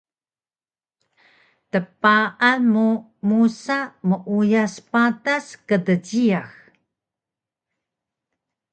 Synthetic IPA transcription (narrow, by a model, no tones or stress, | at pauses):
təpaʔanmu | musaməʔujaspataskədəɟiax